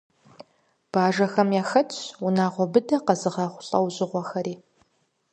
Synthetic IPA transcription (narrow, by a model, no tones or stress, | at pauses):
b̥aːʒɐxɐmjaːxɐt͡ʃʰʊnaːʁʷɔbɨdɐqɐzɨʁɐχʷʊɬʼɐwʑʼɪʁʷɔxɐɾiː